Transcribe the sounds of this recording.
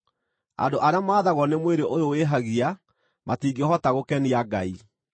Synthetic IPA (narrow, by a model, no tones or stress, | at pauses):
a̰ndoʔaɾeamaːðaɣɔnemweɾeʔojoweɦaɣia | matiːɡehɔtaɣokɛniaɡai